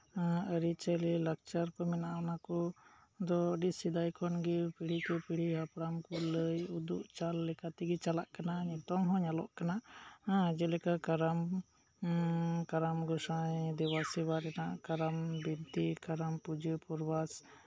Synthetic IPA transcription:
əɾit͡ʃəlilək̚t͡ʃaɾkɔmɛnaʔanakɔ | d̪ɔəɖisid̪ajkʰɔnɡipiɽ̤ikɔpiɽ̤iɦapɾamkɔləjud̪ṵʔt͡ʃalːɛkat̪ɛɡɛt͡ʃalaʔkanaɲɔt̪ɔŋɦɔ̃ɲalɔ̰ʔkana | d͡ʒɛlɛkakaɾam | kaɾamɡɔsajd̪iwasiwaɾɛnaʔkaɾambibt̪ikaɾampud͡ʒəpuɾbas

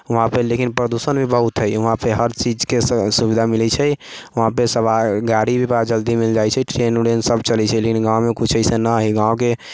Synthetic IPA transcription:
ʊɦãpəlekinpɾəd̪usənbʱibəɦut̪ɦəjʊɦãpeɦəɾt͡ʃid͡ʒkesubid̪ʱamilɛt͡ʃʰɛ | ʊɦãpesəbaɡaɾibʱibad͡ʒəld̪imild͡ʒajt͡ʃʰɛʈɾenuɽensəbt͡ʃəlɛt͡ʃʰɛlekinɡãwmekut͡ʃʰəsənəɦiɡãwke

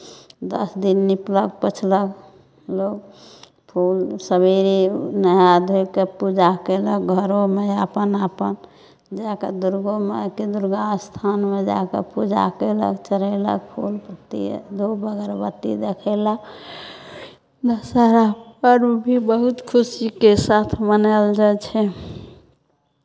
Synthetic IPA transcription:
d̪əsd̪inːiplək̚pət͡ʃʰlək | loɡ | pʰulsəbeɾinəɦad̪ʱokepud͡ʒakelək̚ɡʱəɾomeapənapən | d͡ʒakḛd̪uɾɡomekid̪uɾɡast̪ʰanmed͡ʒa̰kḛpud͡ʒa̰kelə̰kt͡ʃəɾɛlə̰k̚pʰulpət̪ḭd̪ʱobəɡəɾbət̪ːḭd̪ekʰɛla | d̪əsaɾapəɾubʱibəɦut̪kʰusikesat̪ʰmənəld͡ʒat͡ʃʰɛ

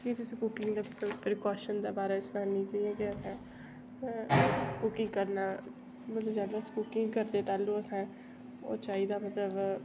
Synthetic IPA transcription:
kit̪ʊsĩːkʊkɪŋɡd̪eːpɾɪkaːʃənd̪eːbaːɾeːsnãːnĩːk̪iɛ̃ːkɪəsɛ̃ː | kʊkɪ̃ŋɡkəɾnaː | mələd͡ʒaːləskʊkɪŋɡkəɾd̪eːt̪aːluːəsɛ̃ː | o̰ːt͡ʃaːiːd̪aːmət̪ləb

